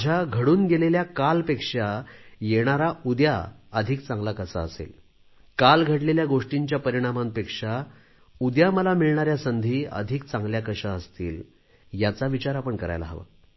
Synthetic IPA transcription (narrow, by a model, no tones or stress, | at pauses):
d͡ʑʱjaɡʱəɽuːnɡeleljakalpekʂajeɽ̃aɾaud̪jaəd̪ʱikt͡sãŋɡlakəsa̰əsḛl | kalɡʱəʈleljaɡoʂʈiɲt͡ɕjapəɾiɽ̃amampekʂa | ud̪jaməlamiɭɳaɾjasənd̪ʱiːə̰d̪ʱik̚t͡sãŋɡljakəɕaəst̪ḭːl | jat͡saʋit͡ɕaɾapəɳkəɾa̰jla̰ɦəʋa̰